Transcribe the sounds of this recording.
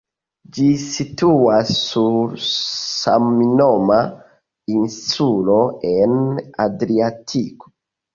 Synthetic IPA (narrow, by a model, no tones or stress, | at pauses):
d͡ʒisituasːuɾsa̰mnoma | inssulo̞enadɾiatʰiko̥